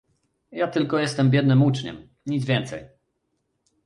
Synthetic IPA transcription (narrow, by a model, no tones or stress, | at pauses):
jat̪ɘlkɔjɛst̪ɛmbʲjɛd̪nɘmut͡ʂɲɛ̰m | ɲid̪zvʲjɛnt̪sɛ̰j